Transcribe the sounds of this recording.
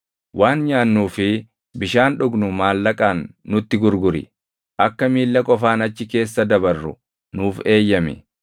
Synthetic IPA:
wʔaːnɲaːnːuːfɪ | bɪʃaːnᶑʊɡnʊmaːlːɐkʼaːnːʊt̪ːɪɡʊɾɡʊɾɪ̰ | ʔɐkːɐmiːlːɐkʼɔfaːnɐt͡ʃːɪke̞ːsːɐd̪ɐbɐrːʊ̰ | nuːfe̞ːjːɐmɛ̰

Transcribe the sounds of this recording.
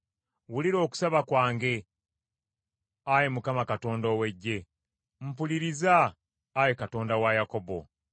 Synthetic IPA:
wuliɾo̞ːku̥saβakwaːŋɡe̞ | ajemukamakato̞ːndo̞ːwe̞ɟːe̞ | m̩puliɾizaː | jekato̞ːndawajakobo̞̰

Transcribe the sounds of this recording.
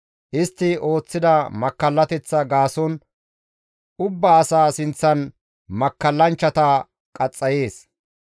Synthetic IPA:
ʔɪst̪ːɪo̞ːt͡sːɪd̪ɐmɐkːɐlːɐt̪ɛt͡sːɐɡaːsɔn | ʔʊbːɐːsaːsɪnt͡sːɐn | mɐkːɐlːɐnt͡ʃːɐt̪ɐ | kʼɐt͡sʼːɐje̞ːs

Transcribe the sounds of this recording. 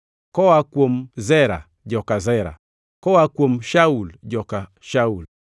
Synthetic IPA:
kɔwakwom̩zɛɾa̰ | d͡ʒɔkazɛɾa̰ | kɔwakwom̩ʃauld͡ʒɔka | ʃaul

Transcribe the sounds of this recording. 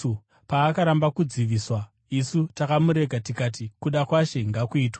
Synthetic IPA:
u | paːkaɾambakud͡ziʋiːswa | isutakamuɾe̞ɡʱatikaːt̬ikuɗakwaʃe̞ŋɡakuiːtwa

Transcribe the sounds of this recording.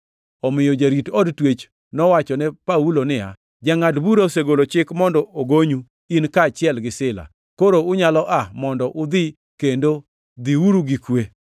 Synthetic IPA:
ɔmɪjɔd͡ʒaɾitɔdtwet͡ʃ | nɔwat͡ʃɔnɛpaulonɪa̰ | d͡ʒaŋadbuɾaoseɡolot͡ʃɪkmɔndɔoɡoɲu | inkaːt͡ʃɪɛlɡɪsɪla̰ | koɾoʊɲalɔʔamɔndɔʔʊd̪ɪ | kendo | d̪iwuɾuɡɪkwe

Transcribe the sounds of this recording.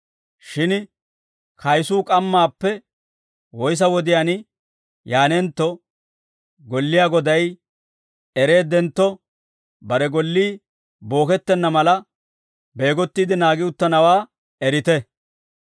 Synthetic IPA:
ʃɪn | kʰɐjsuːkʼɐmːaːpːɛ | wɔjs̬ɐwɔd̪ɪjaːn | jaːnɛnt̪ːɔ | ɡɔlːɪjaːɡɔd̪ɐj | ɛɾe̞ːd̪ɛnt̪ːɔ | bɐɾɛɡɔlːiː | bo̞ːkɛt̪ːɛnːɐmɐlɐ | be̞ːɡɔt̪ːid̪ɪnaːɡɪʊt̪ːɐnɐwaː | ɛɾɪt̪ɛ

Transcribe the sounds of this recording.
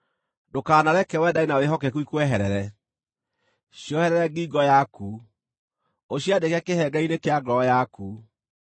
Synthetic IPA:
dokaːnaɾɛkɛwɛdainaweɦɔkɛkuikwɛɦɛɾɛɾɛ | ɕjɔhɛɾɛɾɛɡiɡɔjaku | oɕjadekjakehɛɡainekeaɡɾɔjaku

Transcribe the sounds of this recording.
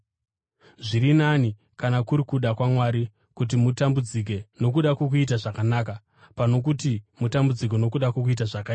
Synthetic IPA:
ʐiɾinani | kanakuɾikuɗakwamwaːɾi | kut̬imutambud͡zik̬e̞no̞k̬uɗakwok̬uit̬aʐakanaːka | pano̞k̬utimutambud͡zik̬eno̞kuɗakwok̬uit̬aʐakaiːa

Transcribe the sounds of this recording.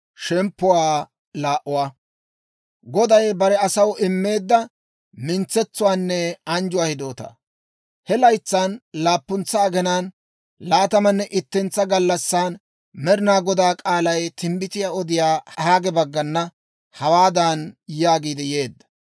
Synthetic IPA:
ʃɛmpːʊwaː | laːʔʊwaː | ɡɔd̪ɐjbɐɾɛɐsɐwɪmːe̞ːd̪ːɐ | mɪnt͡sːɛt͡sːʊwaːnːɛɐnd͡ʒʊwaːhɪd̪o̞ːt̪ɐ̰ | hɛlɐjt͡sːaːnlaːpːʊnt͡sːɐːɡɛnaːn | laːt̪ɐmɐnːɛʔɪt̪ːɛnt͡sːɐɡɐlːɐsːaːn | mɛɾɪnaːɡɔd̪aːkʼaːlɐjt̪ɪmbɪt̪ɪjaːɔd̪ɪjaːhaːɡɛbɐɡːɐnːɐ | hɐwaːd̪aːnjaːɡiːd̪ɛje̞ːd̪ːɐ̥

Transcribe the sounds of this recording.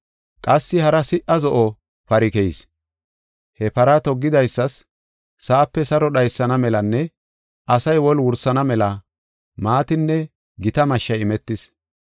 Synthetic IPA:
kʼɐsːɪhɐɾɐsɪʔɐzɔʔɔ | pɐɾɪkɛs | hɛpɐɾɐt̪ɔɡːɪd̪ɐjsːɐsː | aːpːɛsɐɾɔɗɐjsːɐnɐmɛlɐnːɛ | ɐsɐjwɔlwʊɾsːɐnɐmɛlɐ | maːt̪ɪnːɛ | ɡɪt̪ɐmɐʃːɐjɪmɛt̪ːɪs

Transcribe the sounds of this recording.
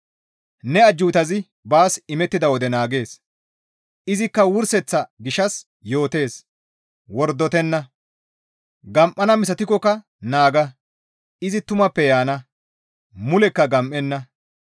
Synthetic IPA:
nɛɐd͡ʒːuːt̪ɐzɪ | baːsɪmɛt̪ːɪd̪ɐwɔd̪ɛnaːɡe̞ːs | ʔɪzɪkːɐwʊɾsɛt͡sːɐɡɪʃɐs | jo̞ːt̪e̞ːs | wɔɾd̪ːɔt̪ɛnːɐ | ɡɐmʔɐnɐmɪs̬ɐt̪ɪkɔkɐ | naːɡɐ | ɪzɪt̪ʊmɐpːɛjaːnɐ | mʊlɛkːɐɡɐmʔɛnːɐ

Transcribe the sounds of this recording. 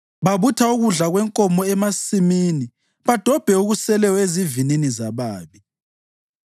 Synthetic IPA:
βaβutʰauɣuɮaɣwɛŋkʼɔmɔɛmasimiːni | βad̥ʱɔb̥ʱɛuɣusɛlɛɔezivininizaβaːβi

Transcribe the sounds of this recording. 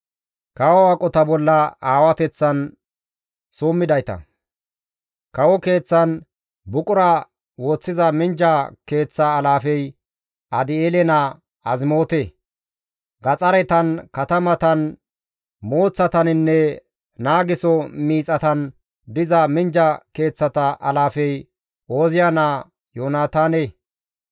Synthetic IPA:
kɐwɔwakʼɔt̪ɐbɔlːɐaːwɐt̪ɛt͡sːɐn | soːmːɪd̪ɐjt̪ɐ̰ | kɐwɔke̞ːt͡sːɐn | bʊkʼʊɾɐ | wo̞ːt͡sːɪzɐmɪnd͡ʒɐke̞ːt͡sːɐːlaːfɛj | ɐd̪ɪeːlɛnɐ | ɐzmo̞ːt̪e | ɡɐt͡sʼɐɾɛt̪ɐnkɐt̪ɐmɐt̪ɐn | mo̞ːt͡sːɐt̪ɐnɪnːɛ | naːɡɪsɔmiːt͡sʼɐt̪ɐn | d̪ɪzɐmɪnd͡ʒɐke̞ːt͡sːɐt̪ɐʔɐlaːfɛj | o̞ːzɪjanaː | joːnaːt̪aːne

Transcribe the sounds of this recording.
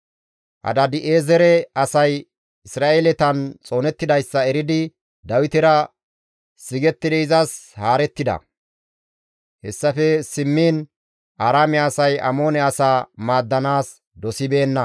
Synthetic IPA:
ʔɐ̰d̪ɐd̪ɪʔeːzɛɾɛɐsɐj | ɪsɾaːʔelɛt̪ɐnt͡sʼo̞ːnɛt̪ːɪd̪ɐjsːɐɛɾɪd̪ɪ | d̪ɐwɪt̪ɪɾɐ | sɪɡɛt̪ːɪd̪ɛɪzɐshaːɾɛt̪ːɪd̪ɐ̰ | hɛsːɐfɛsɪmːiːn | ʔaːɾaːmɛɐsɐjɐ̰mo̞ːnɛɐsaːmaːd̪ːɐnaːs | d̪ɔsɪbe̞ːnːɐ

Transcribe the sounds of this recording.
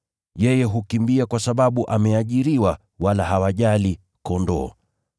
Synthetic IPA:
jɛjɛɦukimbiakwasaɓaɓuʔamɛaʄiɾiwa | walaɦawaʄali | kɔndɔ̰ː

